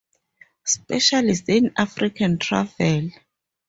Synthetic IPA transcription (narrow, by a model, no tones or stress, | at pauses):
spɛʃalistinafrikʰantʰra̰vɛl